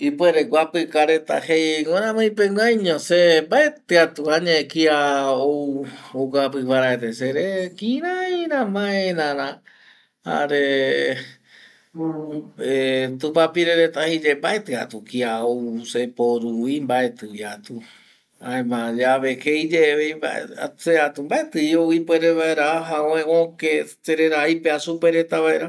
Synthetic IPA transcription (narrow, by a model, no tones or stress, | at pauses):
ipweɾeɡʷapɨkaɾet̪a̰hejŋʷoɾãmãj̃peŋʷajɲõsembaet̪ɨat̪uaɲãekiaooɡapɨβaɾaet̪eseɾekĩɾaiɾãmãeenãɾã | ha̰ɾe | et̪upapiɾeɾet̪ahid͡ʒembaet̪ɨa̰t̪ukiaosepoɾuimbae̞t̪ɨjat̪u | aebãd͡ʒaβekeid͡ʒeβejba̰ḛa̰seat̪umbaet̪ɨjoipweɾeβaeɾaaɦaõẽokeseɾe̞ɾaipeasupeɾet̪aβaeɾa